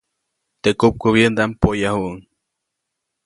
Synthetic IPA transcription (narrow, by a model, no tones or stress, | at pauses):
t̪ekup̚koβjend̪ampojahuʔŋ